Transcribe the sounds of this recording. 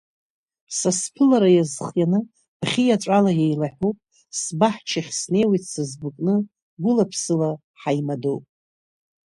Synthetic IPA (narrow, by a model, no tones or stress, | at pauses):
saspʰɨlaɾajazχjanɨ | bχʲijaʈ͡ʂʷʼalajajlaħʷupʼ | sbaħt͡ʃʰaχʲsne̞jwejtʰʼsazbɨkʼnɨ | ɡʷʊlapʰsɨla | ħajmadowpʼ